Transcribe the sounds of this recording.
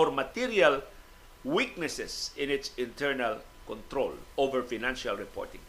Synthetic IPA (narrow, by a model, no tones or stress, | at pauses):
oɾmat̪iɾial | wiknɛsesɪ̃nɪtsĩnt̪ʰɛɹnal | kõnt̪ɾo̰lovəɹfanãnʃalɹipɔ̰ɹt̪ɪ̰̃ŋ